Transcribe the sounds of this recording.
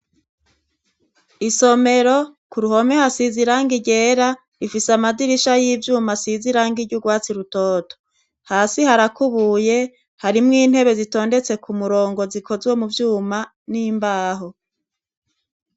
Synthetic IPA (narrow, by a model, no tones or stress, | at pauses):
iso̞me̞ɾo̞kuɾuho̞mehasiziɾaːŋɡiɟe̞ːɾa | ifisamaziɾiʃajivjuːmasiziɾaːŋɡiɾɟuɡwaːt͡siɾutoːto̥ | haːsihaɾakuβuːje̞ | haɾimŋiːn̥he̞βe̞zito̞ːnde̞t͡se̞kumuɾo̞ːŋɡo̞zikʰo̞zwo̞muvjuːma | niːmbaːɦo̞